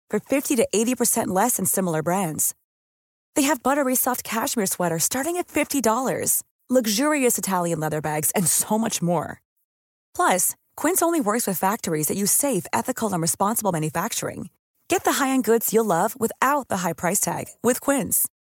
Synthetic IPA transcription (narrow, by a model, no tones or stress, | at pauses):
fə̃˞fɪftiɾɨʔeɪɾipʰə˞sɛ̃nʔˡlɛsɨ̃n̩sɪ̃ml̩ˠə˞bɹæ̃ndz̥ | ðeɪɨvbʌɾə˞ɹisɑft̚kʰæʃmiɹswɛɾə˞stɑɹɾɪ̃ŋɨtfɪftidɔlˠə̰˞z̥ | lʌɡʒʊɹiɨsɨtʰælˠjɨ̃nlɛðə˞bæɡz̥ɨ̃nsoʊmʌt͡ʃmɔ̰ɹ | pʰl̥ʌs | kʰw̥ɪ̃nsõʊ̃nliwɜ˞kswɨð̥fæk̚tə˞izðɨt͡ʃɨ̥seɪfɛ̰θɨkʰl̩ˠə̃nɹɨspɑ̃nsəbl̩ˠmæ̃njɨfæk̚t͡ʃə̰˞ɪ̰̃ŋ | ɡ̥ɛt̪̚ðəɦaɪɨ̃nɡʊdz̥jəlʌvwɨθaʊt̪̚ðəɦaɪpʰɹ̥aɪstʰæ̰ɡ̥wɪð̥kʰw̥ɪ̃nz̥